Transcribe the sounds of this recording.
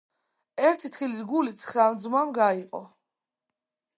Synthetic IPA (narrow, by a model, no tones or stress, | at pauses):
ɛɾt̪ʰit̪ʰχilisɡulit̪sʰχɾamd̪zmamɡaiqʼɔ̰